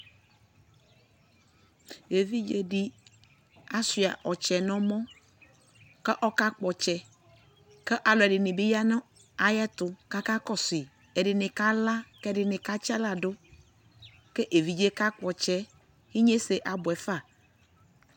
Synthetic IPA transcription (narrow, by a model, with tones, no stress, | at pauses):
e˨vi˦d͡ʒe˦dɪ˦ | a˦si˨a˨ʔɔ˨t͡ʃɛ˨nɔ̃˦mɔ̃˦ | kɛ˦ʔɔ˦ka˦k͡pɔ˨t͡ʃɛ˨ | kɛ˦ʔa˨lɔ˨ɛ˨dɪ˨nɪ˨bɪ˦ja˦nʊ̃˦ | a˨jɛ˦t̪ʊ˨ka˦ka˦kɔ˦sɪ˨ | ɛ˨dɪ˨nɪ̃˨ka˦la˦kɛ˦dɪ˨nɪ̃˨ka˦t͡ʃɛ˦la˨dʊ˦ | kɛ˦ʔe˨vi˨d͡ʒe˦ka˦k͡pɔ˨t͡ʃɛ˦ | hi˦ɲe˦se˨ʔa˨bʊ˨ɛ˨fa˦˨